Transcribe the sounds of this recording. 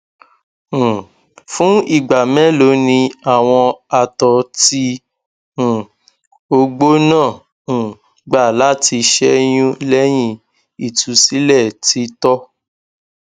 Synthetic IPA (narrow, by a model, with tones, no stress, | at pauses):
fũ˦i˦˨ɡ͡ba˨mɛ̃˦lo˨˦nĩ˧a˨w̃ɔ̃˧a˧˨tɔ˧˦tĩ˦˨ | o˧ɡ͡bo˦nãː˦˨ | ɡ͡ba˦˨la˨˦ti˧ʃɛ˦j̃ũ˦lɛ˦j̃ĩ˦˧ | i˨tʰu˧si˦lɛ˦˨ti˧˦tɔ˦